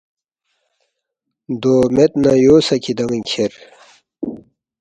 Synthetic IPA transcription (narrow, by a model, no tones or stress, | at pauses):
d̪oːmet̪̚najoːsɐkʰid̪ɐŋnkʰeɾ